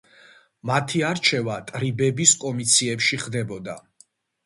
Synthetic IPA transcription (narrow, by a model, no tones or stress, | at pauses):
mat̪ʰiaɾt͡ʃʰɛvat̪ʼɾibɛbiskʼɔmit̪sʰiɛpʃiχd̪ɛbɔd̪a